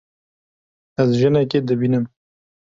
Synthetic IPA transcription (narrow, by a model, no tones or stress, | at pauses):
ɐzʒɨnɛked̪ɨbinɨm